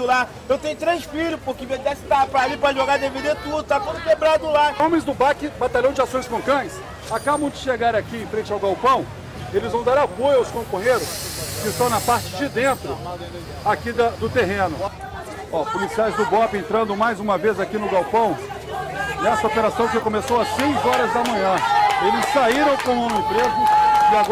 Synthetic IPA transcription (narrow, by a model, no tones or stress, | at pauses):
ʊla | ewt̪ẽj̃ʊt̪ɾejsfiʎʊspʊɾkɪmed̪ɛsɪ̥t̪apɾalipɾɐʒoɡad̪eviɾet̪ud̪ʊt̪at̪õd̪ʊkebɾad̪ʊlaõmẽj̃zd̪ʊbakɪbat̪aʎɐ̃w̃d͡ʒɪasõj̃skõkɐ̃j̃s | akabɐ̃w̃d͡ʒɪʃeɡaɾakiẽj̃fɾẽnt͡ʃɪawɡawpɐ̃w̃ | elɪzvɐ̃w̃d̪aɾapojawskõpɐ̃ɲeɾʊskɪst̪ɐ̃w̃nɐpaɾt͡ʃɪd͡ʒɪd̪ẽnt̪ɾʊ | akid̪ɐd̪ʊt̪eɦẽnʊ | ɔpolisiajzd̪ʊbɔpɪẽnt̪ɾɐ̃nd̪ʊmajzũmɐvezakinʊɡawpɐ̃w̃ | nɛsɐopeɾasɐ̃w̃ʒakõmesowɐsːejzɔɾɐzd̪ɐmɐ̃ɲɐ̃elɪsːaiɾɐ̃w̃kõw̃ɐ̃nʊĩpɾezʊɪa